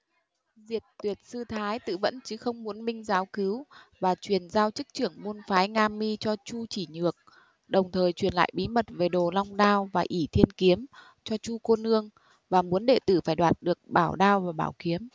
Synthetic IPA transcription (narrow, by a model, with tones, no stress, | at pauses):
zi˨˩ət̚t̪wi˨˩ət̚sɨ˧t̪ʰaː˨˦jt̪ɨ̰˧˨və̰˧˥nt͡ɕɨ˨˦xə˧wŋ͡mmu˨˦ənɓï˧ŋ̟zaː˨˦wkɨ˨˦wvaː˨˩t͡ɕwi˨˩ənzaː˧wt͡ɕɨ˦˥k̚t͡ɕɨ˧˩əŋmu˧nfaː˨˦jŋaː˧mːi˧t͡ɕɔ˧t͡ɕu˧t͡ɕi˧˩ɲɨ˨˩ək̚ | ɗə˨˩wŋ͡mt̪ʰəː˨˩jt͡ɕwi˨˩ənla̰ː˧˨jɓi˨˦mə˨˩t̚ve˨˩ɗo˨˩la˧wŋ͡mɗaː˧wvaː˨˩ʔi˧˩t̪ʰi˧ənki˨˦əm | t͡ɕɔ˧t͡ɕu˧ko˧nʔɨ˧əŋ | vaː˨˩mu˨˦ənɗe˧˩t̪ɨ̰˧˩faː˧˩jɗwaː˨˩t̚ɗɨ˨˩ək̚ɓaː˧˩wɗaː˧wvaː˨˩ɓaː˧˩wki˨˦əm